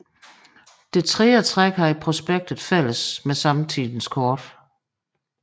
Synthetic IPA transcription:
d̥e̝t͡sʰʁɛːət͡sʰʁaɡ̥hɑ̈ipʰʁo̝sb̥eɡ̥̚d̥ð̩ˠfæl̰əsmesɑ̈mt͡sʰḭːðˠn̩skʰɒːd̥

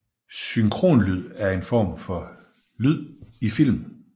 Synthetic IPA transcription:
syŋkʰʁo̝̰ːnlyð̰ˠæɐe̝nfɒ̰ːmfɒ̽ | lyð̰ˠifil̰m

